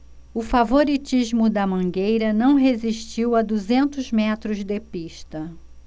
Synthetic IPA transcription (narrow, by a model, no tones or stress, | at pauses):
ʊfavoɾit͡ʃiʒmʊd̪ɐmɐ̃ɡejɾɐnɐ̃w̃ɦeziʃt͡ʃiwɐd̪uzẽnt̪ʊzmɛt̪ɾʊzd̪epiʃt̪ɐ